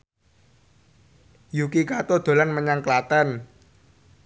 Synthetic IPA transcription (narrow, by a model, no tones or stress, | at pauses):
jukikat̪od̪̥o̤lanməɲaŋklat̪ɛn